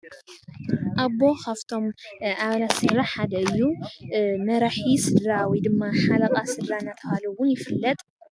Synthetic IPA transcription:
ʔaβo̞kʰaft̪ʰo̞mʔaβlasɨrːaħad̪ɐɨjːu | mɐɾaħisɨdɾawid̪ɨmːaħalɐkʼasɨɾɾanːat̪ʰɐhalɐwʊnjɪfɨlːɐt̪ʼ

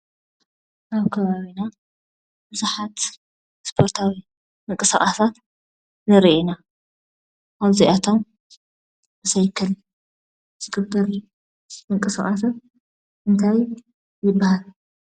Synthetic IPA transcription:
ʔaβkʰɐβaβina | bɨzuħat̪ | spʰo̞ɾt̪ʰawi | mɨŋkʼɨsaχʼasat̪ | nɐɾʔena | aβziʔat̪ʰom | bɨsɐjkʰɐl | zɨkʰɨbb̪ɐɾ | mɨŋkʼɨsaχʼas̬at̪̚ | ʔɨnt̪ʰaj | jɪbːahal

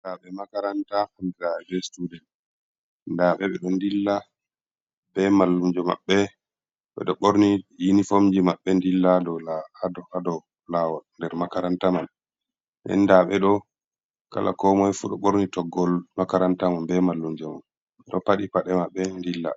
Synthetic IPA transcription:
ndaɓɛmakaɾantaandiɾaɛbɛstudɛn | ndaɓɛɓɛɗɔndilːa | bɛmalːumd͡ʒɔma̰ɓːɛ | ɓɛ̰ɗɔɓoɾnijinifomd͡ʒimaɓːɛndilːadɔlahadɔhadɔ | lawɔlndɛɾmakaɾantaman | ɗɛ̰nːdaɓɛɗɔ | ka̰la̰kɔmɔjfuɗɔɓoɾnitɔɡːɔlmakaɾantamanbɛmalːumd͡ʒɔma̰n | ɗɔpaɗipaɗɛmaɓːɛndilːa̰

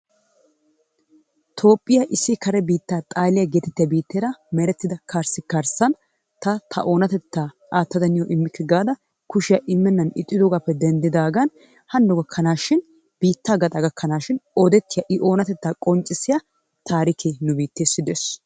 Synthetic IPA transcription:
t̪ʰo̞ːpʼːɪjɐʔɪsːɪkɐɾɛbiːt̪ːaːt̪ʼaːlɪjɐɡeːt̪ɛ̥t̪ːɪjɐbiːt̪ːeːɾɐmɛɾɛt̪ːɪd̪ɐkʰaɾsɪkɐɾsɐn | t̪ɐt̪ʰɐ̰ʔo̞ːnɐt̪ɛt̪ːaː | ʔaːt̪ːɐd̪ɐnɪjɔʔɪmːɪkːɪɡaːd̪ɐ | kʊʃɪjɐʔɪmːɛnːɐnɪ̰t̪ʼːɪd̪ɔɡapːɛd̪ɛnd̪ɪd̪aːɡɐn | hɐnd̪ɔɡɐkʰːɐnaːʃɪn | b̥iːt̪ːaːɡɐt̪ʼɐɡɐkʰːɐnaːʃɪnɔd̪ɛt̪ːɪjɐʔɪʔo̞ːnɐt̪ɛt̪ːaːkʼɔnt͡ʃʼːɪsɪjɐ | t̪ʰaːɾɪkʰenʊbiːt̪ːeːsːɪd̪es

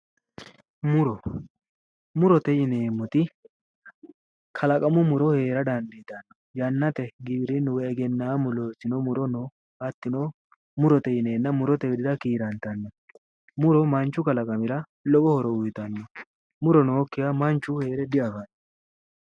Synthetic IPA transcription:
mʊɾɔ | mʊɾɔt̪ɛjɪne̞ːmːʊt̪ɪ | kʰɐlɐkʼɐmʊmʊɾɔhe̞ːɾɐd̪ɐnd̪it̪ɐnːɔ | jɐnːɐt̪ɛɡibɾɪnʊwɛɛɡɛnːaːmʊloːsɪnɔmʊɾɔnɔ | ɐt̪ːɪnɔ | mʊɾɔt̪ɛjɪne̞ːnːɐmʊɾɔt̪ɛɡɪd̪ɪd̪ɐkiːɾɐnt̪ːɐnːɔ | mʊɾɔmɐnt͡ʃːʊkɐlɐkʼɐmɪɾɐ | lɔkɔhɔɾɔʊjt̪ɐnːɔ | mʊɾɔnɔɔkːɪjamɐnt͡ʃːʊhe̞ːɾɛd̪ɪɐɡanːɔ

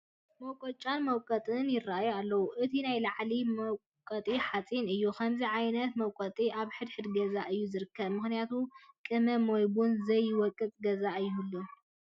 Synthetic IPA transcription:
mɐwkʼot͡ʃʼanmɐwkʼɐt̪ʼɨnjɪrːaajualːɐwuʔɨt̪ʰinajlaʕlimɐw | kʼɐt̪ʼiħat͡sʼinɨjːukʰɐmziʕajnɐt̪mɐwkʼɔt̪ʼiʔaβħɨd̪ħɨd̪ɡɐzaʔɨjːuzɨɾɨkʰːɐβmɨxnijat̪ʰukʼɨmɐmojbunzɐjːɪwɔkʼːɨt͡sʼɡɐzaɨjːulːo

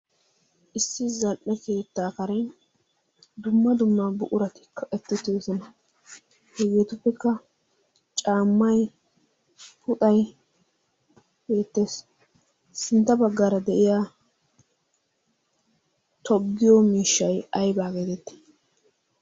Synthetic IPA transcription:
ʔɪsːɪzɐlʔɛke̞ːt̪ːaːkɐɾɛn | d̪ʊmːɐd̪ʊmːabʊʔʊɾɐt̪ɪ̥kːɐʔɛt̪ːɪt̪ːeːsɔnɐ | hɛɡeːt̪ʊpːɛkːɐ | t͡ʃʼaːmːɐj | pʊt̪ʼɐj | be̞ːt̪ːeːs | sɪnt̪ːɐbɐɡːaːɾɐd̪ɛʔɪjaː | t̪ʰɔɡːɪjomiːʃːɐjɐjbaːɡeːt̪ɛt̪ːɪ̥

